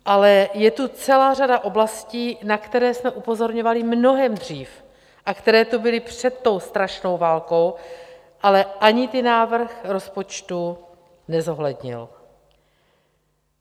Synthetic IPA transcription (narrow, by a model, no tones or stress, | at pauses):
ʔalɛjɛt̪ut͡sɛlaːr̝adaʔo̞blasciːnakt̪ɛɾɛːsmɛʔupo̞zo̞ɾɲo̞valɪmno̞ɦɛmd̪r̝iːf | ʔakt̪ɛɾɛːt̪ubɪlɪpr̝̥ɛt̪ːo̞wst̪ɾaʃno̞wvaːlko̞w | ʔalɛʔaɲɪt̪ɪnaːvr̩xɾo̞spo̞t͡ʃt̪u | nɛzo̞ɦlɛd̪ɲɪ̰l